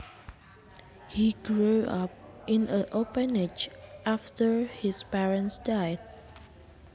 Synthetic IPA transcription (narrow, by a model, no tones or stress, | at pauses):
hiɡɹuʌ̰p̚ʔɪ̃nəʔopə̃ned͡ʒʔaftə˞hispɛɹə̃ntsdaɪd̥̚